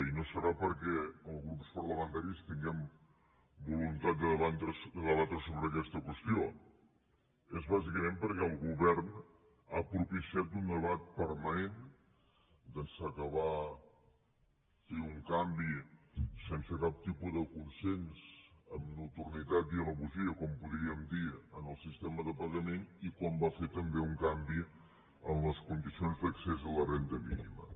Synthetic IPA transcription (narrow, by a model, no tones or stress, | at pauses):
inosəɾapəɾkɛəlˠɣɾupspəɾləmənt̪aɾist̪iŋɡɛm | bulunt̪at̪̚d̪əðəβant̪ɾəsd̪əðəβat̪ɾəsoβɾəkɛst̪əkwəst̪ijo | ezβazikəmempəɾkɛəlˠɣuβɛɾn | apɾupisiat̪und̪əβat̪̚pəɾmənen | d̪ənsəkəβa | feuŋkambisensəkap̚t̪ipuðəkunsensəmnut̪uɾnit̪at̪iələβuziəkɔmpuðɾiəmd̪iənəlˠsist̪ɛməðəpəɣənenikɔmbafet̪əmbeuŋkambi | ənləskund̪isionzd̪əksezələrent̪əmḭnḭmə̰